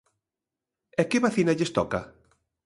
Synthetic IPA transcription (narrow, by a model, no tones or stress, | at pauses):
ɛkɪβaθinaʎest̪ɔka